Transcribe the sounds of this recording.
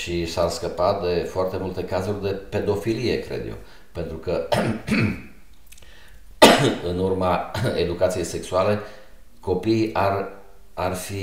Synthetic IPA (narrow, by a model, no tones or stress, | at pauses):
ʃisarskəpat̪̚d̪e̞foart̪e̞mult̪e̞kazurʲd̪e̞pe̞d̪o̞filije̞kɾḛd̪jḛw | pe̞nt̪ɾukə | ɨnurmaed̪ukat̪sije̞jse̞ksuale̞ | ko̞piʔar | arfi